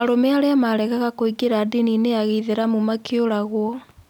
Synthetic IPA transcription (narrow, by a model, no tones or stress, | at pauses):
aɾomeaɾeamaɾɛɣaɣakoiɡeɾadinineaɣiðeɾamumakeoɾaɣwɔ